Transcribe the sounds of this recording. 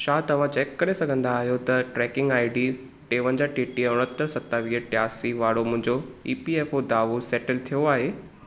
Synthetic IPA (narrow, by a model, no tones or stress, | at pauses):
ʃaːt̪ɐʋãt͡ɕeːkːɐɾesɐɡʱə̃nd̪aːɦijot̪ɐʈɾɛːkɪ̃ŋɡaːɪɖi | ʈeːʋə̃nd͡ʑaʈeːʈiʊɽ̃ət̪ːəɾsɐt̪ːaʋiːəʈjaːsiʋaːɽomʊ̃ɦɪ̃ɲd͡ʑoiːpieːfod̪aːʋosɛːʈəlt̪ʰijoaːɦeː